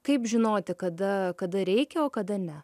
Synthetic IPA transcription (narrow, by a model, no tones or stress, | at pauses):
kɐɪpʒʲɪnoːt̪ʲɪkɐd̪ɐkɐd̪ɐɾʲɛɪkʲɛoːkɐd̪ɐnʲɛ